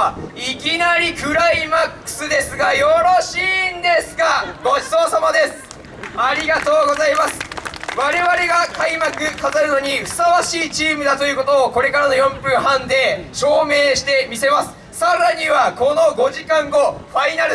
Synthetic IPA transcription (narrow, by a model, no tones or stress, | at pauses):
ikʲinaɾʲikɯ̟ɾaimakːɯ̟̥sɨd̪e̞sɨɡajo̞ɾoɕiːnd̪e̞sɨɡaɡo̞̥so̞ːsamad̪e̞sɨ̥ | aɾʲiɡat̪o̞ːɡo̞zaimasɨ̥βaɾe̞βaɾe̞ɡakaimakɯ̟kat̪aɾɯ̟no̞ɲ̟iɸɯ̟̥saβaɕiːt͡ɕiːmɯ̟d̪at̪o̞jɯ̟ːko̞t̪o̞ːko̞ɾe̞kaɾanojõ̞mpɯ̃ɰ̃ɦãnd̪e̞ɕo̞ːme̞ːɕi̥t̪e̞mʲise̞masɨ̥ | saɾaɲ̟iβako̞no̞ɡo̞ʑikãŋɡo̞ɸainaɾɯ̟